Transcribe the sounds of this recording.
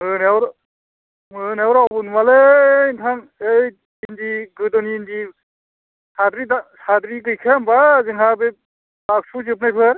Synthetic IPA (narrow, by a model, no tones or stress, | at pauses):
ɯnewɾ | ɯnewɾabunmaleintʰaŋej | indiɡɯdɔnindi | sadɾidasadɾikɯjkʰambazɯŋɦabe | bak̚suzɯp̬̚najpʰɯɾ